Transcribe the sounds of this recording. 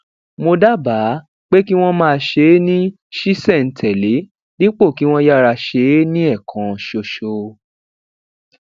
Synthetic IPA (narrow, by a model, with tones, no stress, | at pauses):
mo˧da˦ba˨˦ | k͡pe˦ki˦w̃ɔ̃˦mãː˧ʃe˧˦nĩ˦ | ʃi˦sɛ˦˨n̩˨tʰɛ˨le˨˦ | ni˦k͡po˦˨ki˨˦w̃ɔ̃˦ja˦˨ɾa˧ʃe˨˦nĩ˦ɛ˦˨kʰã˨ʃo˧ʃo˧